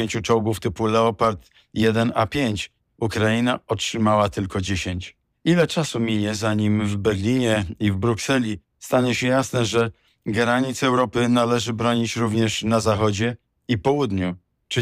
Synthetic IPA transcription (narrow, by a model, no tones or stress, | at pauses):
eɲt͡ɕut͡ʂɔwɡuft̪ɘpulɛɔpaɾt̪ | jɛd̪ɛnapʲjeɲt͡ɕ | ukɾajinaɔtʂɘmawat̪ɘlkɔd͡ʑeɕeɲt͡ɕ | ilɛt͡ʂasumʲiɲɛzaɲimvbɛɡlʲiɲɛivbɾuksɛlʲi | st̪aɲɛɕɛjasnɛʐɛ | ɡɛɾaɲit̪sɛwɾɔpɘnalɛʐɘbɾɔɲit͡ɕɾuvɲɛʂnazaxɔd͡ʑɛ | ipɔwud̪ɲu | t͡ʂ